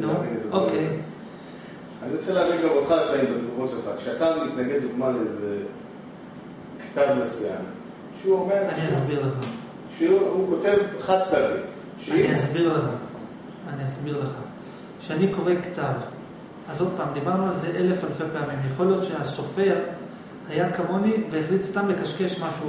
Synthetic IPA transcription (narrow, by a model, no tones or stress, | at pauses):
loʔokej | aniʁoselaːvidɡamʁeχaleχaimbed̪ɡuʁoselχakʃeat̪amit̪naɡe̞d̪̚duɡmaleeze | ktavmesija̰n | ʃeuome̞ʁaniazbiʁlazman | ʃeuhukot̪e̞vaχad̪sadi | ʃeainiasbiʁlaχa | aniasbiʁleχa | ʃeaniko̞ʁe̞ktav | azo̞d̪̚paːmd̪ibaʁnualze̞ʔe̞le̞falfe̞peamimjeχo̞lijo̞t̪ʃeaso̞fe̞ʁ | hajakamoniveːχlitst̪amlekaʃke̞ʃmaʃu